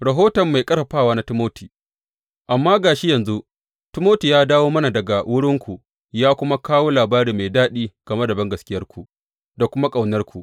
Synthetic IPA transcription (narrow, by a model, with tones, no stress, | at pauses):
ɽa˨ɦoː˦tɐ˨mːa˨jkʼɐ˦ɾɐ˨ɸaː˦˨waː˦na˦tɪ˦moː˦tiː˨ | ʔa˨mːaː˦ɡaː˨ʃi˦jɐ˨nzu˦ | tɪ˦moː˦ti˨jaː˦daː˦woː˦mɐ˦na˨dɐ˨ɡa˨wʔʊ˦ɽɪ˦ŋkʷu˨ | jaː˦kʷʊ˦ma˦kaː˦woː˦laː˨baː˦ɾiː˨ma˨jdaː˦ɗiː˦ɡ̥ɐ˨mɐ˦da˨bɐ˦ŋɡɐ˨skʲɪ˦jɐ˦rkʷu˨ʔ | da˨kʷʊ˦ma˦kʼa˨wnɐ˦rkʷu˨ʔ